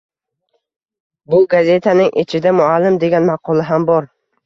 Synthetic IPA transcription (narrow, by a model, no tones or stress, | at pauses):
bʊɡazʲe̞t̪ʰanɪŋʔɪ̰t͡ʃʰɪd̪amʊalːɪmd̪e̞ɡʲanmɑqʰɒlˠɪɦambɒɾ